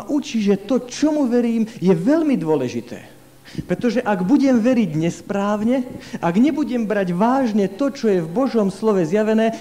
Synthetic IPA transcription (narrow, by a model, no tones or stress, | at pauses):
ʔut͡ʃiʒɛt̪ɔt͡ʃɔmuʋɛɾiːmjɛʋɛʎmid̪ʊɔlɛʒit̪ʰɛ̰ː | pɾɛt̪ɔʒɛʔaɡbuɟɛmʋɛɾiɟɲɛspɾaːwɲɛʔaɡɲɛbuɟɛmbɾaɟʋaːʒɲɛt̪ɔt͡ʃɔjɛvbɔʒɔmslɔʋɛzjaʋɛnɛː